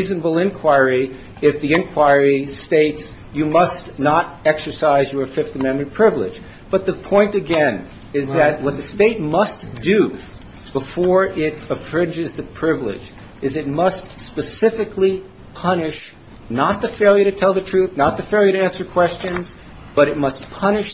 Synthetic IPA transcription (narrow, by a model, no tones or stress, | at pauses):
iznəbl̩ˠɪ̃nkʰw̥aɪɹi | ɪfðiɪ̃nkʰw̥aɪɹisteɪts | jɨmʌsnəɾɛksə˞saɪzjə˞fɪfθɨmɛ̃nmɨ̃npʰɹ̥ɪvlɪ̰̥d͡ʒ | b̥ʌt̪̚ðəpʰɔ̃ɪ̃ntɨɡɛ̃n | ɪzðɨt̚wʌt̪̚ðɨsteɪt̚mʌsd̥ɨ | b̥əfɔɹɪɾəfɹɪ̃nd͡ʒɨzðɨpʰɹ̥ɪvlɪ̰d͡ʒ | ɨzɨt̚mʌstspɨsɪfɨkli | pʰʌnɪʃ | nət̪̚ðɨfeɪlˠjəɾɨtʰɛlˠðɨtʰɹ̥ʉθnət̪̚ðɨfeɪlˠjəɾɨæ̃nsə˞kʰw̥ɛst͡ʃɨ̃nz | b̥ʌɾɨt̚mʌs̚pʰʌñɨʃ